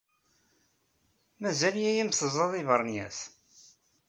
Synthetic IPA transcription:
mæzæljæjimθəzˤɑðˤivəɾˤnjæs

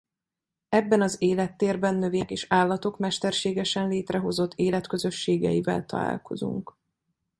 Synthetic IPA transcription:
ɛbːɛnɒzeːlɛt̪ːeːrbɛnːøveːkeːʃaːlːɒt̪o̞kmɛʃt̪ɛrʃeːɡɛʃɛnleːt̪rɛɦo̞zo̞t̪ʰːeːlɛt̪køzø̞ʃːeːɡɛ̰ivɛ̰lt̪ɒ̰la̰ːlko̞̰zṵŋk

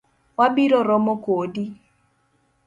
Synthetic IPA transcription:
wabiɾɔɾɔmokodi

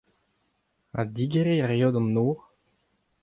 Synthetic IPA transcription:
a̰d̪iɡeʁeʁjod̪ɔ̃noːʁ

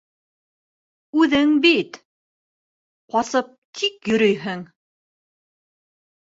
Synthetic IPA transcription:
ʉðɘŋbit̪ | qɑsɤp̚t̪ʰikjɵ̆ɾɵjɦɘŋ

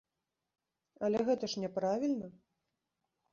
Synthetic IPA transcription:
ɐlʲɛɣɛt̪ɐʂnʲɛpɾavʲilʲnɐ

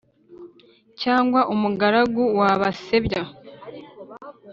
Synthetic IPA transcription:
caːŋɡwaʔumuɡaɾaɡuwaβase̞βja

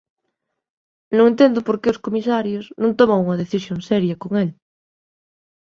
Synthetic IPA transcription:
nõŋẽnt̪end̪opoɾkeoskomisaɾjosnõnt̪omaŋuŋɐð̞eθisjoŋsɛɾjɐkoŋel

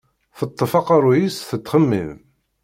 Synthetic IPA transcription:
θət̪ˤːəfɑqɑɾˤujisθət̪ːχəmːḭm

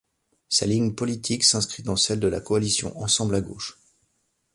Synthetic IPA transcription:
sa̰liŋpɔlit̪ʰiksɛ̃skχid̪ɑ̃sɛld̪əlakɔalisjɔ̰̃ʔɑ̃sɑ̃blaɡo̰ːʃ

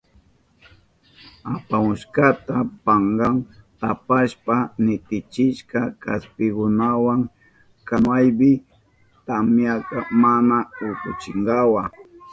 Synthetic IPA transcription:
apamʊʃkat̪apaŋɡaŋt̪apaʃpanɪt̪ɪt͡ʃɪʃkakaspɪkʊnawaŋ | kamajbɪ | t̪amjakamanaʊkʊt͡ʃɪŋɡawa

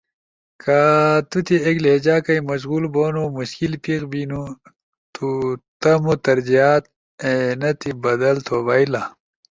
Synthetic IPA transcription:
kʰat̪ut̪ʰiekled͡ʑaːkɐjmɐɕ̬ɣuːlboːnumuɕkilpiɣbinu | t̪ut̪ɐmut̪ɐɾd͡ʑijaːt̪̚ | enɐt̪ʰibɐd̪ɐlt̪ʰobaila

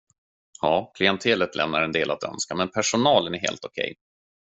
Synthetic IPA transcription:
hɑːkʰlɪɛnt̪ʰeːlət̪lʔɛ̰mnaɾɛnd̪eːlat̪œ̰nskamɛnpʰæʂʊnɑːlənæɾɦḛːlt̪ʊkʰɛ̰j

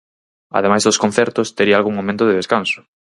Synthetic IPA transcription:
a̰ðemajzðoskõn̟θɛɾt̪ʊst̪eɾialɣuŋmomẽnt̪ʊðeðeskansʊ̥

